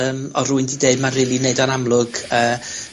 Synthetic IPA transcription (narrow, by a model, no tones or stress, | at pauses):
əːmɔruɨndideɨdmanrilˠineɨdɔnamlˠʊɡ̥əː